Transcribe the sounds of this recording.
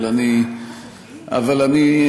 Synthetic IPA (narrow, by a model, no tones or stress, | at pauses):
lani | a̰valani